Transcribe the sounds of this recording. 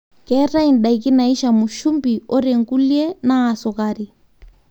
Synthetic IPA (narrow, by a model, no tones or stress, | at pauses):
kɛɾain̩ɗaikinaiʃamuʃumbiɔɾɛŋkuljɛnaːsɔkaɾi